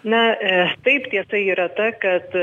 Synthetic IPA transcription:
nɐt̪ɐɪpt̪ʲiɛsɐɪiːɾɐt̪ɐkɐt̪

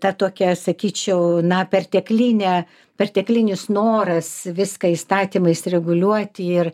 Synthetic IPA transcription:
t̪ɐt̪oːkʲɛsɐkʲiːt͡ʃʲɛʊnɐpʲɛrt̪ʲɛklʲiːnʲɛ | pʲɛrʲt̪ʲɛklʲinʲɪsnoːɾɐsʋʲɪskɐiːst̪ɑːt̪ʲiːmɐɪsɾʲɛɡʊlʲuɔt̪ʲɪɪr

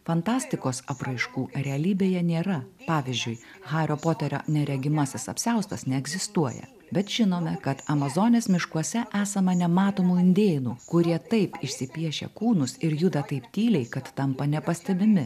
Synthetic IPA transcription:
fɐnt̪ɑːsʲt̪ʲɪkoːsɐpɾɐɪʃkuːɾʲɛɐlʲiːbʲeːjɛnʲeːɾɐpɑːʋʲɪzʲd͡ʒʲʊɪ | ɣɑːɾʲoːpoːt̪ʲɛɾʲo̰nʲɛɾʲɛɡʲɪmɐsʲɪsɐ̰pʲsʲɛʊst̪ɐsnʲɛɛɡzʲɪst̪uɔjɛ̰ | bʲɛt̪ʒ̥ʲɪnoːmʲɛkɐt̪ɐmɐzoːnʲeːsmʲɪʃkuɔsʲɛʔæːsɐmɐnʲɛmɑːt̪oːmuːɪnʲd̪ʲeːnuːkʊɾʲiɛt̪ɐɪpɪʃʲsʲɪpʲiɛʃʲɛ̰kuːnʊsɪɾjʊd̪ɐt̪ɐɪpt̪ʲiːlʲɛɪkɐt̪ːɐmpɐnʲɛpɐsʲt̪ʲɛbʲɪmʲɪ

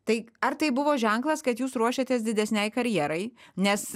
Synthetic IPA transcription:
t̪ɐɪɐɾt̪ɐɪbʊʋoːʒʲɛŋklˠɐskɐt̪juːsɾuɔʃʲet̪ʲeːsd̪ʲɪd̪ʲɛsʲnʲɛɪkɐɾʲjiɛːɾɐɪnʲɛs

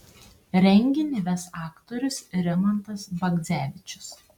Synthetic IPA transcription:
ɾʲɛŋʲɡʲɪnʲɪʋʲɛsɑːkt̪ɔːɾʲʊsɾʲɛmɐnt̪ɐsbɐɡd̪zʲæːʋʲɪt͡ʃʲʊ̥s

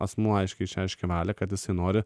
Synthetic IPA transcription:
ɐsmuːɐɪʃʲkʲɛɪʃʲæɛɪʃʲkʲɛʋɑːlʲɛkɐt̪jɪsɐɪnoːɾʲɪ

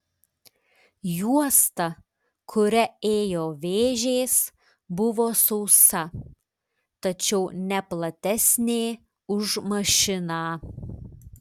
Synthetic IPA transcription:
juɔst̪ɐ | kʰʊɾʲɛeːjoːʋʲeːʒʲeːs | bʊʋoːsɔʊsɐ | t̪ɐt͡ʃʲɛʊnʲɛplˠɐt̪ʲɛsʲnʲeː | ʊʒmɐʃʲɪnaː

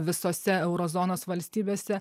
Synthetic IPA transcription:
ʋʲɪsoːsʲɛɛʊɾozoːnoːsʋɐlʲsʲt̪ʲiːbʲeːsʲɛ

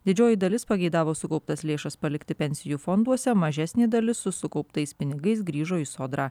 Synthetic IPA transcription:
d̪ʲɪd͡ʒʲoːjɪd̪ɐlʲɪspɐɡʲɛɪd̪ɑːʋoːsʊkɐʊpt̪ɐslʲeːʃɐspɐlʲɪkt̪ʲɪpʲɛnʲsʲɪjuːfɔnd̪uɔsʲɛmɐʒʲæsʲnʲeːd̪ɐlʲɪsːʊsʊkɒʊpt̪ɐɪspʲɪnʲɪɡɐɪs̬ɡɾʲiːʒoːɪsoːd̪ɾɑː

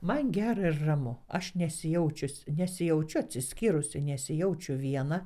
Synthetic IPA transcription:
mɐnɡʲæːɾɐɪrrɐmʊɐʃnʲɛsʲɪjɛʊt͡ʃʲʊsʲnʲɛsʲɪjɛʊt͡ʃʲʊɐt̪ʲsʲɪsʲkʲiːɾʊsʲɪnʲɛsʲɪjɛʊt͡ʃʲʊʋʲiɛnɐ

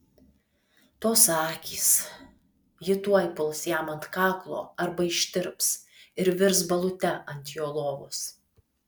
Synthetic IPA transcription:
t̪oːsɑːkʲiːs | jɪt̪uɔjpʊlˠsjæːmɐnt̪kɑːklˠo̰ːɐɾbɐɪʃʲt̪ʲɪɾpsɪɾʋʲɪɾsbɐlˠʊt̪ʲɛɐnʲt̪ʲjoːlˠoːʋʊ̰s

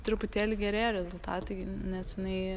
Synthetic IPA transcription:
t̪ɾʲɪpʊt̪ʲeːlʲɪɡʲɛɾʲeːɾʲɛzʊlˠt̪ɑːt̪ɐɪnʲɛsjɪnɐɪ

